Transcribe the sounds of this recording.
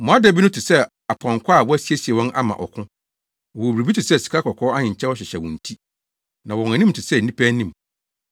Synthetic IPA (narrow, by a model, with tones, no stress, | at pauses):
mɔ̃˨a˦dɛ˨bi˦nʊ̃˦tʰɪ˨sɛ˦ | a˨pʰɔ̃˨ŋkʰʷa˦˨wɔ˦æ˦si˦e˦si˨ɛ˨wɔ̃˦nʔa̰˦mã̰˨ʔɔ̰˨kʰʊ̃˦ | ɔ˨o˨i˨ɾi˨bi˦tʰɪ˨sɛ˦˨si̥˨kʰa˦kʰɔ˨kʰɔː˦a˦ɲɪ̃˨ɲ˨t͡ɕʰɛ˦wɔ˦ɕ̬ɪ˨ɕɛ˨wɔ̃˨n̩˨tʰi˦ | nã˨wɔ˨æ˨nĩ˦m̩˨tʰɪ˨sɛ˦˨nĩ˦pʰæ˦nĩ˦m˨